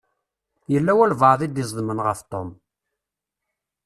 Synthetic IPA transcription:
jəlːæwælvəʕðˤid̪izˤðmənʁəft̪ˤom

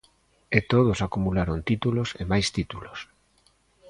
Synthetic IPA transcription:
et̪oð̞osakumulaɾont̪it̪ulosemajst̪it̪ulos

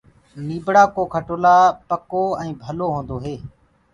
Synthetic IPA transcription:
niːbɽaːkoːkʰəʈoːlaːpəkoːɛ̃ːbʱəloːɦõːnd̪oːɦeː

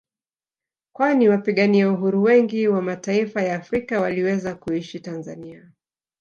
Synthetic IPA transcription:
kwaniwapiɠaniauɦuɾuwɛŋɡiwamataifajaːfɾikawaliwɛzakuiʃitanzania

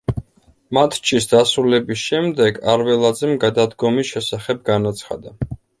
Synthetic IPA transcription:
mat̪ʰt͡ʃʰisd̪asɾulɛbisʃɛmd̪ɛɡaɾvɛlˠad̪zɛmɡad̪ad̪ɡɔmisʃɛsaχɛb̚ɡanat̪sʰχa̰d̪a

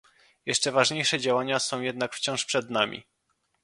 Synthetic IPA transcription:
jɛʂt͡ʂɛvaʐɲejʂɛd͡ʑawaɲasɔ̃w̃jɛd̪nakft͡ɕɔ̃w̃ʂpʂɛd̪namʲʔḭ

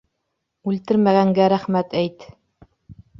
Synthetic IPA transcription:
ʉlt̪ɘɾmæɣæŋɡæɾæχmæt̪æjt̪

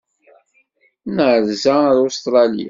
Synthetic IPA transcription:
nʕəɾzæðust̪ɾˤɑlḭa

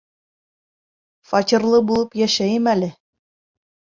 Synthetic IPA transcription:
fɑtʲĭɾlˠɤbulˠɤpjæʃæjɘmælɘ

